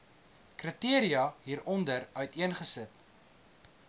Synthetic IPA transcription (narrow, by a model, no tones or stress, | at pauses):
krətiəɾiɐɦiːɾɔndəɾœɥtiənχəsət